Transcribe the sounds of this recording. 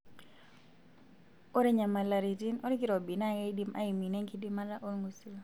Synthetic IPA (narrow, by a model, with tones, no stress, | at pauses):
o˦ɾe˦ɲa˨ma˨la˨ɾi˨ti˦no˦ɾi˦ki˦ɾo˨bi˨na˦ɡe˦di˦mʔa̰˦i˨mi˨nɛ˦ŋki˦di˦ma˦la˦ʔo˦ɾŋɡu˨su˦l